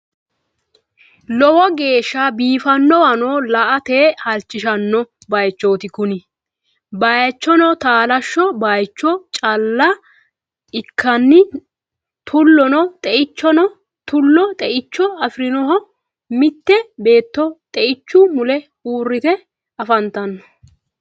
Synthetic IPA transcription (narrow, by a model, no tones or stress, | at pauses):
lɔwɔɡe̞ːʃːabiːfɐnːɔwɐnoːlɐʔɐt̪eːhɐlt͡ʃʼːɪʃɐnːɔ | bɐjt͡ʃːo̞ːt̪ɪkʊnɪ | bɐjt͡ʃːɔnɔt̪aːlɐʃːɔbajt͡ʃːɔt͡ʃʼɐlːɐ | ɪkʰːɐnːɪ | t̪ʰʊlːɔnɔt̪ʼɛʔɪt͡ʃːɔnɔ | t̪ʊlːɔt̪ʼɛʔɪt͡ʃːɔɐfɾɪnɔɦɔ | mɪt̪ːɛbe̞ːt̪ːɔt̪ʼɛʔɪt͡ʃːumʊlɛ | uːrːɪt̪ɛ | ɐfɐnt̪ɐnːɔ̥